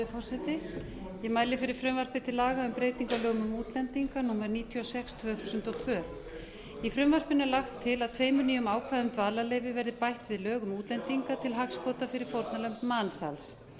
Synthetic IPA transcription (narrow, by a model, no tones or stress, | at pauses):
ɪfɔr̥sɛt̪ɪ | jɛmaːjlɪfɪɾɪɾ̥fɾʏmvar̥pɪt̪ʰɪlaːɣaʏmpɾeːjt̪iŋkalœːɣʏmʏmuːt̪lɛnt̪iŋkanuːmaɾniːt̪ʰiɔsɛkst̪ʰv̥œːθu̥ːsʏnt̪ɔwt̪ʰvœːɾ | ifɾʏmvar̥pɪnɛlaxt̪ʰːɪlaðt̪ʰveːjmʏniːjʏmaːwkʰvaðʏmt̪vaːlalejvɪvɛɾðɪpajht̪vɪðlœːɣʏmuːt̪lɛnt̪iŋkat̪ʰɪlɦakspɔːt̪afɪɾɪɾ̥fowɾt̪nalœmpmaːnsa̰ls